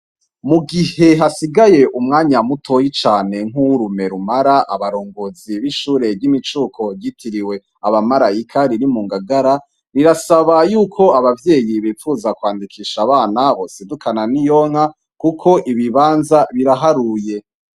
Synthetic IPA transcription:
muɡihe̞ɦasiɡaje̞ʔumŋaːɲamutʰo̞jit͡ʃaːne̞ŋ̥uɾume̞ɾumaɾaʔa̰βaɾoːŋɡoːziβiʃuːɾe̞bɟimit͡ʃuːkʰo̞ɾɟitʰiɾiwe̞ | aβamaɾajikʰaɾiɾimuːŋɡaɡaɾa | ɾiɾasaβajuːkʰo̞aβavje̞ːjiβiːfuzakwaːndikʰiːʃaβaːnaβosidukʰananijo̞ŋ̥ha | kukʰo̞ʔiβiβaːnzaβiɾaɦaɾuje̞

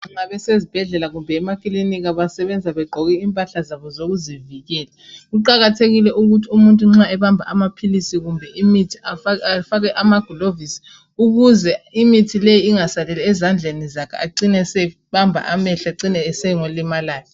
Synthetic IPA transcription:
ŋ͡ǁaβɛsezib̥ʱɛɮɛlaɣumbʱɛːmakʼilinikaβasɛβɛnd͡zʱaβɛɡ͡ǃʱɔɣiimpʼaɬazaβɔzoɣuziviɣɛːlɛɣuǃaɣatʰeɣilɛʔuɣutʰiumuntʼuŋ͡ǁaɛβambʱa̰amapʰilisiɣumbʱɛʔimitʰi̥afafaɣɛʔamaɡ̥ʱɔlovisi̥ | uɣuzɛimitʰilejiiŋasalɛlɛːzand͡ɮʱenizakʰɛ̰aǀinɛsɛ | βambʱa̰ʔamɛɬaǀinɛːsɛŋolimalaːlɛ

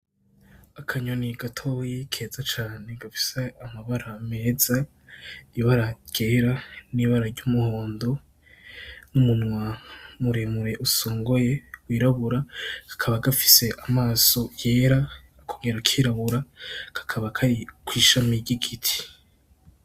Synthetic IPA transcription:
akʰaɲoniɡatʰojekʰe̞ːzat͡ʃaːne̞ɡafi̥seamaβaɾame̞ːza | iβaɾaɟ̥e̞ːɾaniβaɾaɾɟumuhoːndo̞ | numunŋwamuɾemuɾe̞ʔusoːŋɡo̞je̞wiːɾaβuɾaɡ̥ḁkʰaβaɡafi̥se̞ʔamaːso̞jeːɾaː | kʰoŋɡeɾakʰiːɾaβuɾakḁkʰaβakʰaɾikwiːʃamiɾɟiɡitʰi̥

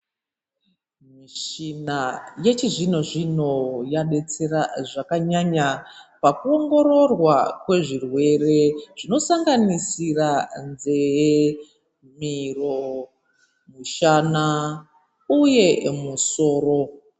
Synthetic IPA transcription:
miʃinaje̞t͡ʃiʐino̞ʐino̞jaɗe̞t͡seraʐakaɲaɲapakuo̞ŋɡo̞ɾo̞rwakwe̞ʐirwe̞re̞ʐ̥ino̞saŋɡanisiranze̞ | miro̞ | miʃana | uje̞muso̞ːɾo̞

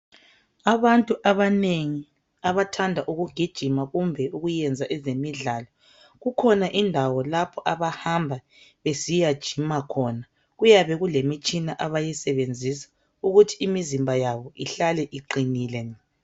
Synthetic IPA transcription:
aβantʼuʔaβaneŋi | aβatʰandʱaʔuɣuɡ̥ʱid̥ʒ̥ʱimaɣumbʱɛuɣujɛnd͡zʱaʔɛzemiɮaːlɔ | ɣukʰɔnaʔindʱawɔlapʰɔʔaβahambʱa | βesijad̥ʒ̥ʱimakʰɔna | ɣujaβɛɣulemit͡ʃʼinaʔaβajɛsɛβend͡zʱisḁ | uɣutʰiimizimbʱajaβɔʔiɬalɛʔiǃiniːlɛ

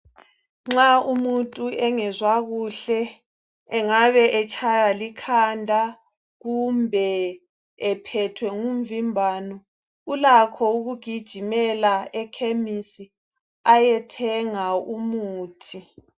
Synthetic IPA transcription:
ŋ͡ǁaumuntʼuɛŋɛzwaɣuɬɛː | ŋaβɛʔɛt͡ʃʰʼajalikʰandʱa | ɣumbʱɛ | ɛpʰɛtʰwɛŋumvimbʱaːnɔ | ulakʰɔuɣuɡ̥ʱid̥ʒ̥ʱimɛlaɛkʰemisi | ajɛtʰɛŋaumuːtʰi

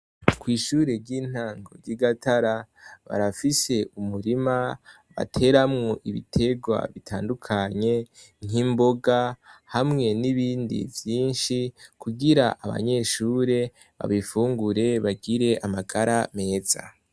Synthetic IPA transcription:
kwiːʃuːɾe̞ɾɟiːn̥haːŋɡo̞̰ɾɟiɡataɾaβa̰ɾafise̞ʔumuɾima | βa̰tʰe̞ɾamŋoʔiβḭtʰe̞ɡwa̰βitʰaːndukʰaɲe̞ŋ̥imbo̞ɡahamŋe̞niβiːndḭvjiːnʃikuɡiɾaʔaβa̰ɲe̞ʃuːɾe̞ | βa̰βifuːŋɡuɾe̞βaɡiɾe̞ʔamaɡaɾʔame̞ːz̥a̰

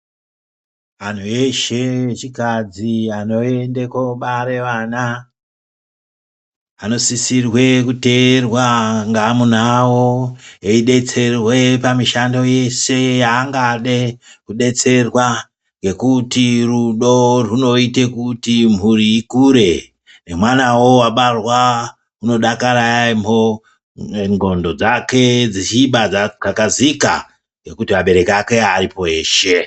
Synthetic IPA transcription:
ʋan̤ueʃeet͡ʃikad͡ziano̞endekoɓaɾe̞ʋana | ano̞sisirwe̞kute̞rwaŋɡamunawoeiɗe̞t͡se̞rwepamiʃando̞je̞se̞jaːŋɡaɗekuɗe̞t͡se̞rwa | ŋɡe̞kutiruɗo̞runo̞itekutimuɾiikuɾe̞ | ne̞mwanawo̞waɓarwa | uno̞ɗakaɾajamo | ŋɡo̞ndo̞d͡zake̞d͡zit͡ʃiɓad͡zd͡zakazika̰ | ŋɡe̞kutimaɓe̞ɾe̞kake̞aɾipo̞e̞ːʃe̞

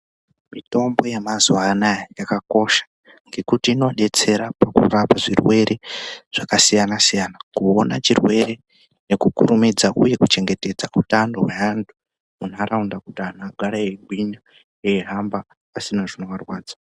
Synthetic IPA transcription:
mito̞mbo̞jemazuanajjakako̞ʃḁ | ŋɡe̞kutiːno̞ɗe̞t͡se̞ɾapakṵrapaʐirwe̞ɾʔe̞ʐ̥akasijanasijaːnakuonat͡ʃirwe̞ɾe̞ | nekukṵɾumid͡zaʔuje̞kut͡ʃe̞ŋɡe̞te̞d͡zautandoɦeantʰu̥ | munaɾaundakutianaɡʱaɾaeɡʱwiɲa | eɦamba | pasinaʐinoʋarwaːd͡zḁ

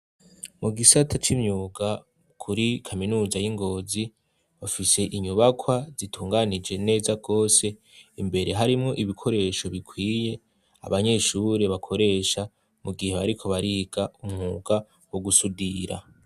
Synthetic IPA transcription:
muɡisatʰat͡ʃimɲuɡa | kʰuɾikʰaminuːzajiŋɡo̞ːzi | βafise̞ʔiɲuβakʰwazitʰuːŋɡanid͡ʒe̞ne̞ːzaɡo̞ːse̞ | imbe̞ɾe̞ɦaɾimŋo̞ʔiβikʰo̞ɾe̞ʃo̞βikʰwiːje̞ | a̰βaɲe̞ʃuɾe̞βakʰo̞ɾe̞ʃa | muɡiheβaɾikʰo̞βaɾiɡ̥aumŋuːɡa | woɡusudiɾa̰

